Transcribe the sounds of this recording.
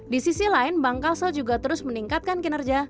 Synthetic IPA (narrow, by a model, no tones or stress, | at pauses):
disisilaɪnbaŋkalsɔd͡ʒuɡat̪əɾʊsməniŋkat̪̚kankənərd͡ʒa